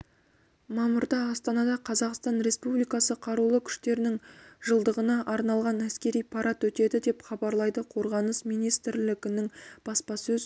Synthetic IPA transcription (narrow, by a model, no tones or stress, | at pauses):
mɑmʊɾd̪ɑːst̪ɑnɑd̪ɑqʰɑzɑqst̪ɑnɾe̞spublijkɑsəqʰɑɾulˠəkʲʰʏ̥ʃt̪e̞ɾɪnɪŋʒ̥əlˠd̪əʁənɑʔɑɾnɑlˠʁɑnæskʲe̞ɾijpʰɑɾʔɑt̪wɵt̪e̞d̪ɪd̪e̞pχɑbɑɾlˠɑjd̪əqʰo̞ɾʁɑnəsmijnijst̪ɪɾlɪɡʲɪnɪŋb̥ɑspɑsɵz